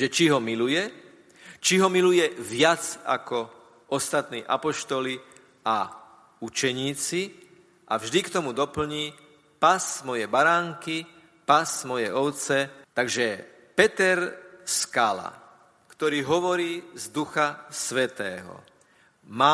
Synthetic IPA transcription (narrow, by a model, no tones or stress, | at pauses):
ʒɛt͡ʃiɦɔmilujɛ | t͡ʃiɦɔmilujɛʋɪat͡sa̰kɔ | ɔst̪at̪nḭːʔa̰pɔʃt̪ɔli | a | ut͡ʃɛɲiːt͡si | ʔavʒd̪ikt̪ɔmud̪ɔpl̩ɲiː | pasmɔjɛjbaɾaːŋki | pasmɔjɛɔʊt͡sɛt̪aɡʒɛ | pɛt̪ɛɾskala̰ | kt̪ɔɾiːɦɔʋɔɾiːzd̪uxasʋɛt̪ɛːɦɔ̰ | ma